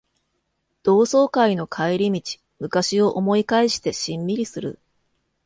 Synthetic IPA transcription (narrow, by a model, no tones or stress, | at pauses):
d̪̥o̞ːso̞ːkaino̞kʰaiɾʲimʲit͡ɕi̥ | mɯ̟kaɕio̞ʔomo̞ikaiɕi̥t̪e̞ɕĩmːʲiɾʲisɨɾɯ̟̰